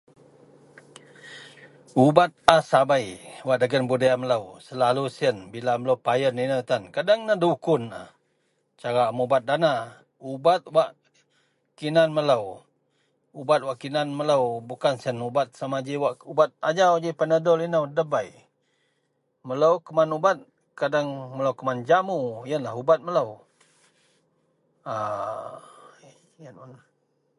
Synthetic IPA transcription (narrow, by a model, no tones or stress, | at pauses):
ubat̪̚asabajwaʔdəɡənbudajamələwsəlalusiənbilamələwpajəninət̪ankadaŋnaduukʊna̰ | t͡ʃaɾamubat̪̚dana | ubat̪̚waʔ | kinanmələw | ubat̪̚waʔkinanmələwbukansənubat̪̚samad͡ʒiwaʔubat̪̚ad͡ʒawd͡ʒipənədɔlinəwdəbaj | mələwkəmanubat̪̚ | kadaŋmələwkəmand͡ʒamuijənlaɦubat̪̚mələw | a | jənan